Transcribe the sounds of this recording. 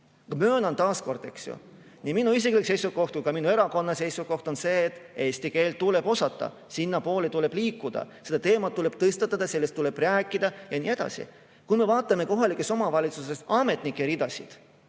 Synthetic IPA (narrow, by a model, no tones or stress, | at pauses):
kɑmøːnɑnt̪ɑːsko̞rd̪e̞ksjo̰ | niminuis̬iklikse̞jsuko̞ht̪̚kujkɑminue̞ɾɑko̞nːɑse̞jsuko̞ht̪o̞nse̞ːt̪ːˑe̞ːsʲt̪ike̞ːlt̪̚t̪ule̞bo̞sɑt̪ːˑɑ̰ | sinːɑpo̞ːlet̪ule̞b̥liːkːˑud̪̥ɑ̰se̞d̪ɑt̪e̞ːmɑt̪ːule̞b̥̚t̪ɤst̪ɑt̪ːˑɑd̪̥ɑse̞lːest̪ːule̞b̥ræːkːˑid̪̥ɑjɑnie̞d̪̥ɑ̰sḭ | kume̞vɑːt̪ːˑɑme̞ko̞ɦɑlikːˑe̞so̞mɑvɑlʲit̪suse̞sɑme̞t̪nikːˑeɾid̪̥ɑsḭd̪̥